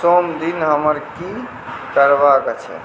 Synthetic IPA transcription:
somd̪inɦəməɾki | kəɾbakət͡ʃʰɛ̰

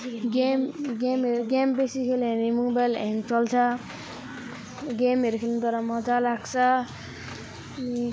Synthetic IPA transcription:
ɡemɡemeɾɡembesikʰelenimuŋbajleŋt͡ʃɔlt͡sʰʌ | ɡemɦeɾkʰelnit̪ɔɾamɔd͡ʒalaɡsʌ

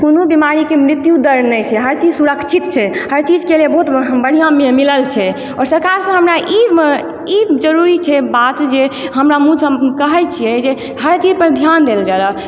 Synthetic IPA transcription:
konobimaɾikemɾit̪jud̪əɾnəjt͡ʃʰɛɦəɾt͡ʃid͡ʒsuɾəkt͡ʃʰit̪t͡ʃʰɛhəɾt͡ʃid͡ʒkelebəɦut̪bəɽ̤ijãmemiləlt͡ʃʰɛ | ɔɾsəɾkaɾsə̃ɦəmɾaʔi | id͡ʒəɾuɾit͡ʃʰɛbat̪d͡ʒeɦəmɾamud͡ʒʰʱəkəɦɛjt͡ʃʰijɛd͡ʒe | ɦəɾt͡ʃid͡ʒpəɾd̪ʱjand̪eld͡ʒalə

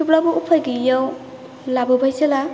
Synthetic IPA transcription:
ublabɔupʰajɡijaw | labɯbʱajsela

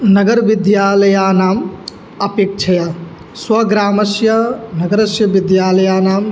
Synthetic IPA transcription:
nɐɡɐɾʋid̪jaːlɐjaːnaːm | ɐpeːk̚t͡ʃʰɐja | swɐɡɾaːmɐsjɐnɐɡɐɾɐʃjɐʋid̪jaːlɐjaːnaːm

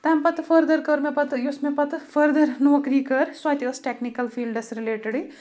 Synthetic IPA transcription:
t̪ɐmpɐt̪fʰəɾd̪ɐɾkəɾmepɐt̪ɨjusmẽpɐt̪fəɾd̪ɐɾnoːkɾiːkɐɾsaːt̪ɐsʈeknikɐlfʰiːlɖɐsɾileːʈeɽi

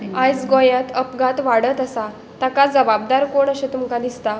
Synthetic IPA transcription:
ajsɡojãt̪əpɡat̪ʋaɽət̪əsa | t̪akad͡zəbab̚d̪aɾkoɳəɕet̪umkad̪ist̪a

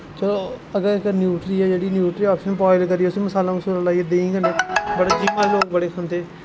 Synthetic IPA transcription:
t͡ʃəloːəɡəɾɪknjuːʈɾiːɛːd͡ʒeːɽiːnjuːʈɾiːaːpʃənpɔːɪlkəɾiːɛːʊsiməsaːlãːməsuːləlaːieːd̪ẽːĩːɡəneːbəɽaːd͡ʒimaloːk̚bəɽeːxʰənd̪eː

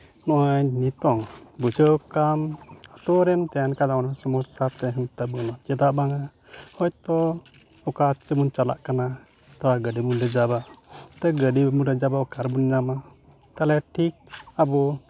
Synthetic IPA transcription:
nɔʔaɲnit̪ɔŋbud͡ʒəwkamat̪ɔɾɛmt̪ɛjankad̪awnasɔmɔsat̪ɛɦɛnt̪abənɔt͡ʃɛd̪aʔbaŋa | hɔjt̪ɔ | ɔkat͡ʃəmunt͡ʃala̰ʔkana | t̪aɾaɡəɖimunɾɛd͡ʒaβat̪ɛɡəɖimunɾɛd͡ʒabaɔkaɾbunɲama | t̪alɛʈʰik̚abɔ

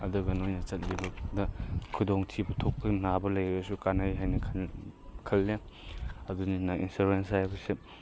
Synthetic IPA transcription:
ɐduɡɐnojnɐt͡ʃɐt̚bibɐdɐkʰudoŋtʰibɐtʰok̚pʰɐnabɐlɐjɡɐsukanajɦajnɐkʰ | kʰɐlːe | ɐduninɐʔḭnsuɾensajbɐse

